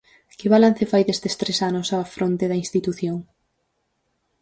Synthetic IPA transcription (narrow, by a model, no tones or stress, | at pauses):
kɪβalan̟θefajðest̪est̪ɾesanʊsafɾont̪eðɐinst̪it̪uθjoŋ